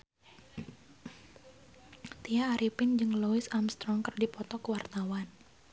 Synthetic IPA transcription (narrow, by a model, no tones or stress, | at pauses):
t̪iaːɾipɪnd͡ʒɨŋlɔɪsamst̪ɾɔŋkərdipɔt̪ɔkəwart̪awan